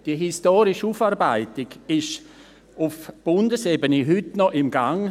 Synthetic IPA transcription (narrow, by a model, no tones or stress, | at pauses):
d̥iəɦistoːɾɪʃuːfaːrbaɪtɪɡɪʃ | ʊfb̥ʊndəsɛbənəɦʏtnɔʔɪmɡaŋ